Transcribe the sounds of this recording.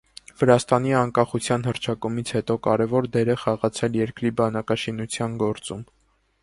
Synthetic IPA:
vəɾɑst̪ɑniɑŋkɑχut͡sʰjɑnɦəɾt͡ʃʰɑkumit͡sʰhɛt̪ɔkɑɾɛvɔɾd̪ɛɾɛχɑʁɑt͡sʰɛljɛɾkɾibɑnɑkɑʃinut͡sʰjɑnɡɔɾt͡sum

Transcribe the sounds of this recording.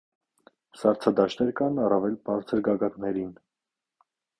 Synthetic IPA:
sɑɾt͡sʰɑd̪ɑʃt̪ɛɾkɑnɑrɑvɛlbɑɾt͡sʰəɾɡɑɡɑt̪nɛɾin

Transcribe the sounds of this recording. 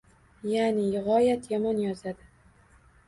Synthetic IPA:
janɪjɪʁɒjat̪ʰjamɒnjɒzad̪ɪ

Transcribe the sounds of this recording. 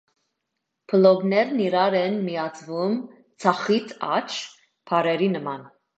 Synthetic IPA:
pʰəlɔɡnɛɾniɾɑɾɛnmijɑt͡sʰvum | t͡sʰɑχit̪ʰɑ̰t͡ʃʰ | pʰɑɾɛɾinəmɑn

